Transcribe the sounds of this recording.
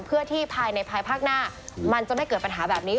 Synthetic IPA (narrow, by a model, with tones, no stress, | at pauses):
pʰɯ˥˩ət̪ʰiː˥˩pʰaː˧jna˧jpʰaː˧jpʰaː˥˩k̚naː˥˩ma˧nt͡ɕa˨˩ma˥˩jkɤː˨˩t̪̚pa˧nɦaː˩˦bɛː˨˩p̚niː˦˥